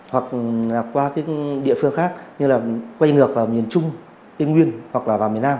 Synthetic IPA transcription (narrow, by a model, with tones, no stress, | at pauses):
hwa˨˩k̚laː˨˩kwaː˧kaː˨˦jɗḭ˧˨fɨ˧əŋxaː˦˥k̚ɲɨ˧laː˨˩kwa˧jŋɨ˨˩ək̚vaː˨˩mi˨˩ənt͡ɕʊ˧ŋ͡m | t̪i˧ŋwi˧ənhwa˨˩k̚laː˨˩vaː˨˩wmi˨˩ənaː˧m